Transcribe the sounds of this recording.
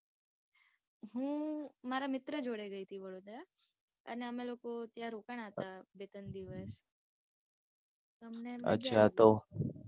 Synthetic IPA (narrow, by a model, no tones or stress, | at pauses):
ɦũmaːɾamɪt̪ɾəd͡ʒoːɽeɡəit̪ʰiʋɐɾoːd̪ɾa | ɐ̰neəmeloːkot̪jaɾoːkəɳ̃aːt̪abet̪ənd̪iʋəs | t̪əmneə̰tːʃʰat̪o